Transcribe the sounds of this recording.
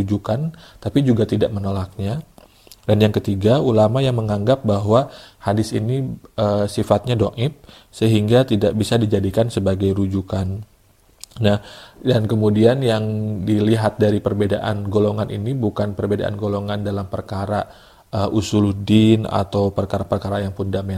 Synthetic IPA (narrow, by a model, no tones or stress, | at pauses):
ud͡ʒukant̪apid͡ʒuɡat̪idaʔmənolak̚ɲa | danjaŋkət̪iɡaulamajaŋməŋaŋɡap̚baɦwahadɪsiniəsifat̪̚ɲadoʔɪp̚ | səɦiŋɡat̪idaʔbisadid͡ʒadikansəbaɡajɾud͡ʒukan | nahdankəmudianjaŋdiliɦat̪̚daɾipərbedaʔanɡoloŋanḭnibukanpərbedaʔa̰nɡoloŋandalampərkaɾa | ʔəʔusuluhdina̰t̪awpərkaɾapərkaɾajaŋpundamen